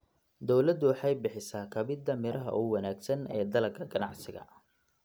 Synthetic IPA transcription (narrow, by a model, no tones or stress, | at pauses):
d̪ɔwlɐd̪ʊwɑħɑjbɪħɪsaːkʰɐβɪd̪ɐmɪɾʔɐɦɐ̰ʔuwɑnaːɡsɐnɛːd̪ɐlɐlkʰɐɡɐnɑʕsɪɣɐ̰